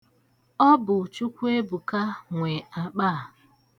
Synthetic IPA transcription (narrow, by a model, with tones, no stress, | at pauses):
ɔ˦bʊ˨t͡ʃu˦kʷe˦bu˨ka˦ŋʷe˨a˨k͡paː˦˨